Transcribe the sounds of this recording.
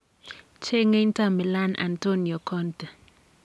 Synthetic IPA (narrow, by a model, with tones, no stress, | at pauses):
t͡ʃe˦ŋe˦n˦ta˦mɛ˨la˦nʔa̰˨nto˦njɔ˨kʰɔ˦ntɛ˨